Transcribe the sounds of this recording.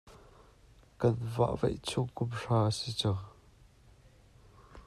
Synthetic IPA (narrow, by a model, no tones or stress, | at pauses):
kɐnva̰ʔvḛjt͡sʰukʊpʂaːəsit͡sa